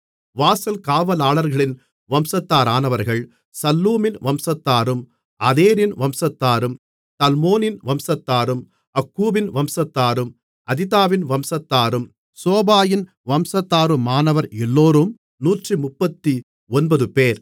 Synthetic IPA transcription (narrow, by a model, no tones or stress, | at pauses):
ʋaːsɐlkaːʋɐlaːɭɐɾɣɐɭɪn | ʋɐmsɐt̪ːaːɾaːnɐʋɐɾɣɐɭ | sɐlːuːmɪnʋɐmsɐt̪ːaːɾɯm | ɐðeːɾɪnʋɐmsɐt̪ːaːɾɯm | t̪ɐlmoːnɪnʋɐmsɐt̪ːaːɾɯm | ɐkːuːbɪnʋɐmsɐt̪ːaːɾɯm | ʔɐðɪt̪aːʋɪnʋɐmsɐt̪ːaːɾɯm | soːbaːjɪn | ʋɐmsɐt̪ːaːɾɯmaːnɐʋɐɾɛlːoːɾɯm | nuːʈrimʊpːɐt̪ːi | ɔnbɐðɯpeːɾ